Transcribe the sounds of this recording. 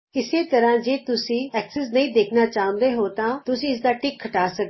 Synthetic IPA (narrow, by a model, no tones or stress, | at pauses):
ɪseːt̪əɾãːd͡ʒeːt̪ʊsĩːɛːksɛs̬nɐĩːd̪eːkʰnaːt͡ʃaːə̃nd̪eːɦoːt̪ãːt̪ʊsĩːɪs̬d̪aːʈɪkʰːəʈaːsək̚d̪